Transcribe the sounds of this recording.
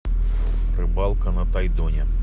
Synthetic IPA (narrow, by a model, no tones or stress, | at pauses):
pɾɪbɑlˠkɐnɐt̪ɐjd̪ɔnʲɛ